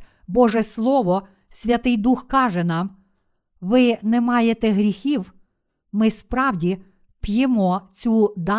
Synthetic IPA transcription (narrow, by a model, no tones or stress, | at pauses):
bɔʒɛslˠɔʋɔ | sʲʋʲɐt̪ɪjd̪uxkɑʒɛnɑm | ʋɪnɛmɑjet̪ɛɦɾʲixʲiw | mɪspɾɑwdʲi | pjemɔt͡sʲud̪ɑ